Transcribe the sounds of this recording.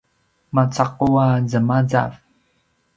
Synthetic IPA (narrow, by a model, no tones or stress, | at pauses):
mat͡saquazəmad͡za̰v